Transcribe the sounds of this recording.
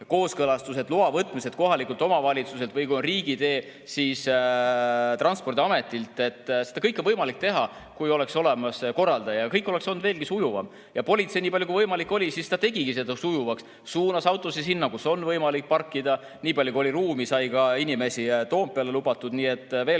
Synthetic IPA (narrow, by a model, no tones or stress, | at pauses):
ko̞ːskɤlɑst̪us̬e̞d̪luɑvɤt̪ːˑmise̞d̪̥ko̞ɦɑlikːˑult̪ˑo̞mɑvɑlʲit̪suse̞lt̪vɯjkujonriːɡid̪e̞ː | sis | t̪rɑnspo̞rd̪iɑme̞t̪ːˑilt̪e̞t̪ːˑse̞d̪̥ɑkɤjkːˑonvɤjmɑlik̚t̪e̞ɦɑkujo̞le̞kso̞le̞mɑsko̞rːɑld̪̥ɑjɑkɤjkːˑoleksond̪veːlɡisujuvɑ̰m | jɑpo̞lʲit̪se̞jniːpɑlʲjukuivɤjmɑlikːˑo̞lʲisist̪ɑt̪e̞ɡ̥iɡise̞d̪̥ɑsujuvɑks | suːnɑsɑwt̪ˑo̞sisinːɑkuso̞nːvɤjmɑlik̚pɑrkːid̪̥ɑ | niːpɑljukuo̞lʲiɾuːmisɑjkɑinime̞sit̪o̞ːmpːeɑle̞lubɑt̪ˑːud̪̥niːe̞t̪ːˑve̞ːl